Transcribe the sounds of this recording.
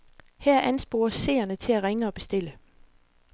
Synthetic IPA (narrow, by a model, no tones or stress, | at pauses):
hæɐʔænsb̥o̝ːɐse̝̰ːɐnət͡sʰe̝læʁeŋəɒ̽b̥e̝sd̥e̝lə